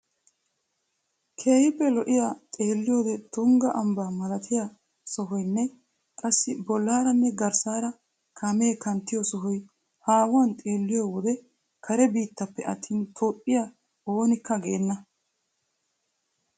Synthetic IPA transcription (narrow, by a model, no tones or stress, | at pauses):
kʰe̞ːhɪpːɛlɔʔɪjat̪ʼe̞ːlːɪjo̞ːd̪ɛt̪ʊŋɡɐʔɐmbaːmɐlɐt̪ʰɪjɐ | sɔɦɔjnːɛ | kʼɐsːɪbɔlːaːɾɐnːɛɡɐɾsaːɾɐ | kʰɐme̞ːkɐnt̪ːɪjɔsɔɦɔj | haːwɐnt̪ʼe̞ːlːɪjoːwɔd̪ɛ | kʰɐɾɛbiːt̪ːɐpːɛʔɐt̪ʰːiːnt̪ʰoːpʼːɪjɐ | oːnɪkːɐɡeːnːɐ